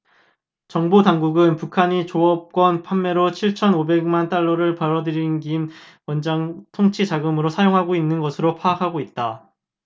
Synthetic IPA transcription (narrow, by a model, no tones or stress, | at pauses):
t͡ɕʌŋbotaŋɡuɡɯnpukʰaɲit͡ɕoʌp̚k͈wʌnpʰamːe̞ɾot͡ɕʰiɭt͡ɕʰʌnobe̞ɡmant͈aɭːʌɾɯɭpaɾʌdɯɾinɡim | wʌnd͡ʑaŋtʰoŋt͡ɕʰid͡ʑaɡɯmɯɾosʰajoŋɦaɡoinːɯnɡʌsʰɯɾopʰaakʰaɡoit̚t͈a